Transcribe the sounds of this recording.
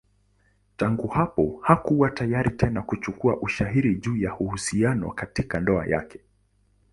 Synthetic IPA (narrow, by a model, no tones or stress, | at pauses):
taŋɡuhapɔhakuwatajaɾitɛnakut͡ʃukuaʔuʃaɦiɾiʄuːjahuhusianɔ̰katikandɔa̰ja̰kɛ̥